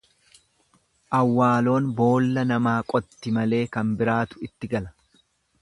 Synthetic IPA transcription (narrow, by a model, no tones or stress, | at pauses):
ʔɐwːaːlo̞ːnbo̞ːlːɐnɐmaːkʼɔt̪ːɪmɐle̞ːkɐmbɪɾaːt̪ʊ̥ɪt̪ːɪɡɐlɐ̥